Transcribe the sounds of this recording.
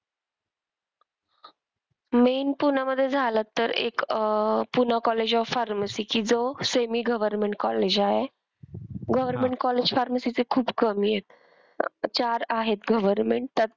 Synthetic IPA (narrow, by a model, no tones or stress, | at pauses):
menpunaməd̪ʱːjed͡zʱalət̪ːəɾḛkpunakɔled͡ʑɔʋfaɾməsikiːd͡zosemiɡəʋəɾmẽɳʈ̚kɔled͡ʑaɦe | ɡəʋəɾmeɳʈ̚kɔled͡ʑfaɾməsit͡sekʰuːbkəmijet̪̚ | t͡ɕaɾaɦet̪ɡəʋəɾmeɳʈ̚t̪ət̪̚